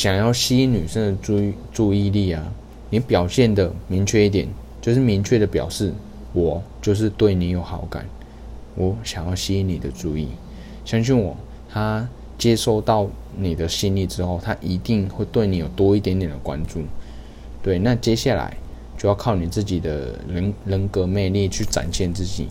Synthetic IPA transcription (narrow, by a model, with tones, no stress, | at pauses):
ɕjɑ˨˩ŋjɑ˥˩ʊɕi˥i˥ny˨˩ʂə˥˧ŋd̪ə˩u˥˧ʈ͡ʂu˥˧i˥˧li˥˩a˩ | ni˨˦pjɑ˨˩ʊɕjɛ˥˩nd̪ə˩mi˧˥ŋt͡ɕʰɥɛ˥˧i˥˩t̪jɛ˨˩˦nt͡ɕjo˥˧ʊʂ̬ɻ̩˥˩mi˧˥ŋt͡ɕʰɥɛ˥˩d̪ə˩pjɑ̰˨˩ʊʂɻ̩˥˩ | wɔ˨˩t͡ɕjo˥˧ʊʂ̬ɻ̩˥˧t̪we˥˩ɪni˧˥jo˨˩ʊxɑ̰˧˥ʊka̰˨˩˦n | wʔɔ˨˦ɕjɑ˨˩ŋjɑ˥˩ʊɕi˥i˧˥ni˨˩d̪ə˦ʈ͡ʂu˥˧i˥˩ | ɕjɑ˥ŋɕ̬i˥˩nwɔ̰˨˩ | t̪ʰa˥ | t͡ɕjɛ˥ʂo˥˧ʊt̪ɑ˥˩ʊ | ni˨˩d̪ə˦ɕi˥˧nli˥˩ʈ͡ʂɻ̩˥xo˥˩ʊt̪ʰa˦ʔi˧˥t̪i˥˧ŋxwe˥˧ɪt̪we˥˩ɪni˨˥jo˨˩ʊt̪wɔ˥i˥˩t̪jɛ˧˥nt̪jɛ˨˩nd̪ə˩kwa̰˦nʈ͡ʂu˥˩ | t̪we˥˩ɪna˥˨t͡ɕjɛ˥ɕja˥˩la̰˧˦ɪ | t͡ɕjo˥˧ʊjɑ˥˧ʊkʰɑ˥˩ʊni˨˩t͡sɹ̩˥˩t͡ɕi˨˩d̪ə̰˦˧˦lə˧˦˥nkɤ˧˥me˥˧ɪli˥˧t͡ɕʰy˥˩ʈ͡ʂa̰˨˩nɕjɛ˥˧nt͡sɹ̩˥˩t͡ɕḭ˨˩˦